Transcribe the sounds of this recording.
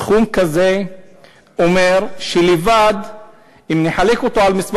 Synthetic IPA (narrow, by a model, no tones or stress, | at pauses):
χumkaze | omeʁʃelevad̪ | imneħalekot̪oalmisv